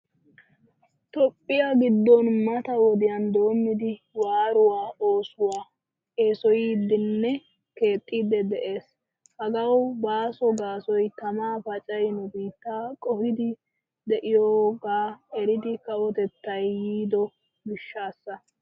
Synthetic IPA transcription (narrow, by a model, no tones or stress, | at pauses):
t̪ɔpʼːɪjaɡɪd̪ːɔnmɐt̪ɐwɔd̪ɪjɐnd̪o̞ːmːɪd̪ɪ | waːɾʊwaːoːsʊwaː | eːsɔjid̪ɪnːɛ | ke̞ːt̪ʼːid̪ɛd̪ɛʔe̞ːs | hɐɡɐwbaːsɔɡaːsɔjt̪ɐmaːfɐt͡ʃʼɐjnʊbiːt̪ːaːkʼɔhɪd̪ɪ | d̪ɛʔɪjoːɡaːɛɾɪd̪ɪkɐʔɔt̪ɛt̪ːɐjːiːd̪ɔ | bɪʃːaːsːɐ